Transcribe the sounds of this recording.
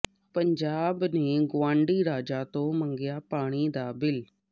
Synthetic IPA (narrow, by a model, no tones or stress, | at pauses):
pə̃ɲd͡ʒaːbneːɡʊãːɳɖiːɾaːd͡ʒaːt̪oːmə̃ŋɡɪjaːpaːɽ̃id̪aːbɪl